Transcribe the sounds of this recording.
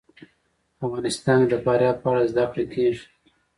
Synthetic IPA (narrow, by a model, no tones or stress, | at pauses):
afɣɑːnɪst̪ɑːnd̪əpɑːɾjɑːd̪̚paɽazd̪akɽekʰeːʐ